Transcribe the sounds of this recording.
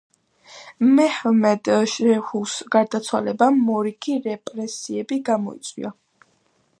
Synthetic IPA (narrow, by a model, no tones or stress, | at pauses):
mɛhmɛd̪ʃɛhusɡaɾd̪at̪sʰwa̰lɛbamɔɾikʰiɾɛpʼɾɛsiɛbiɡamɔ̰ḭt̪sʼwḭa